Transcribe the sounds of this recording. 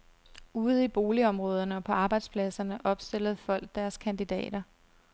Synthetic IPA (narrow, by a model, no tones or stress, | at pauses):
uːð̞̩ˠib̥o̝ːliɒ̽mʁɔ̽ːð̞ˠɐnəɒ̽pʰɒ̽ɑ̈ːb̥ɑ̈ɪd̥spʰlæsɐnəʔɒ̽b̥sd̥e̝l̰əð̞̩ˠfɒ̽l̰ɡ̥̚d̥æɐskʰænd̥id̥ɛ̰ːd̥ɐ